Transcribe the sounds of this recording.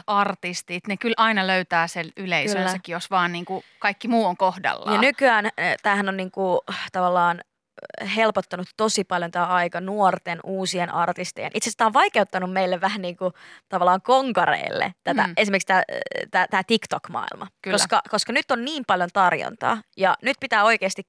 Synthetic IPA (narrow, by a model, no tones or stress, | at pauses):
ɑrt̪ist̪it̪nekylʔɑinɑløyt̪æːselyleisyøːsækːijosʋɑːnniːŋkukɑikːimuːoŋkohdɑ̰lːɑjɑnykyæːnt̪æːhænonniːŋkut̪ɑʋɑlːɑːn | helpot̪ːɑnut̪ːosipɑljont̪æːɑikɑnuort̪enʔuːsienɑrt̪ist̪ḛjḛnʔit̪sest̪æːoʋʋɑikeut̪ːɑnummeilːeʋʋæhænniːŋkut̪ɑʋɑlːɑːŋkoŋkɑrḛːlːḛt̪æt̪æ̰ʔesimerkst̪æːt̪æt̪æːt̪ikt̪okmɑ̰ḭlmʔɑ̰kykoskɑkoskɑnyt̪ːonniːmpɑljont̪ɑrjo̰nt̪ɑ̰ːjɑnyt̪̚pit̪æːo̞ikeːst̪ik